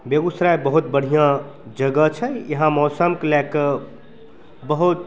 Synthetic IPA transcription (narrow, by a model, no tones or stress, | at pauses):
beɡusɾaebəɦut̪bəɽ̤ijã | d͡ʒəɡət͡ʃʰəjəɦãmɔːsəmklɛk | bəɦut̪̚